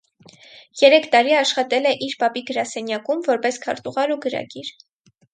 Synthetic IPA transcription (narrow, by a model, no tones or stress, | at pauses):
jɛɾɛkʰt̪ɑɾiɑʃχɑt̪ɛlɛʔiɾpɑpiɡəɾɑsɛnjɑkumvɔɾpɛskʰɑ̰ɾt̪uʁɑɾuɡəɾɑ̰ɡiɾ